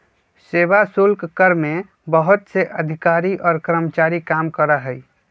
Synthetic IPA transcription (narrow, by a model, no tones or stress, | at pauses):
sebasʊlkkəɾmẽ | bəɦʊt̪seʔəd̪ʱɪkaːɾiʔɔːɾkəɾəmət͡ʃaːɾikaːmkəɾəɦəi